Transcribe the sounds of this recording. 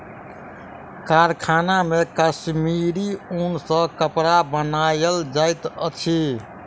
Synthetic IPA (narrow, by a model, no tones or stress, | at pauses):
kaɾkʰanamekəsmiɾiunsə̃kəpɾabənajəld͡ʒajt̪ət͡ʃʰi